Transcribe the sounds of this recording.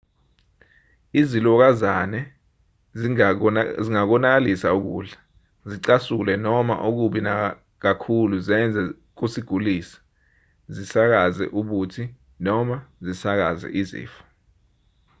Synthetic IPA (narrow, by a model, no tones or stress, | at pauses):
izilɔk̬azanɛ | ziŋak̬ɔnak̬alisauk̬ṵːɮa | ziǀasulɛnɔma̰ʔuk̬uɓina | k̬akʰuluzɛnd͡zʱɛ | k̬usiɡ̥ʱuliːsḁ | zisak̬azɛ̰ʔuɓutʰi | nɔmazisak̬a̰zɛ̰ʔizḭːfḁ